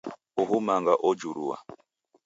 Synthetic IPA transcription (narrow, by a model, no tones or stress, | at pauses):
uɦumaŋɡaʔɔd͡ʒuɾṵwa̰